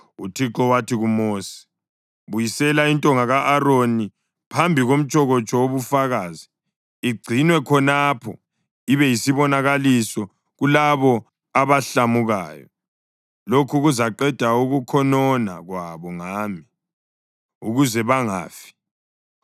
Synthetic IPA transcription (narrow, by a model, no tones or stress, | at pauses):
utʰiǁɔwatʰiɣumoːsi̥ | βujisɛlaintʼɔŋaɣaʔːɾoni | pʰambʱiɣom̩t͡ʃʼɔɣɔt͡ʃʼɔwoβufaɣaːziː | ɡ͡ǀʱinwɛkʰɔnapʰɔ | iβɛjisiβɔnaɣalisɔ | ɣulaβɔ | aβaɬamuɣaːjɔ̰ | lokʰuɣuzaǃɛd̥ʱauɣukʰɔnɔna̰ɣwaβɔŋaːmi | uɣuzɛβaŋa̰ːfi̥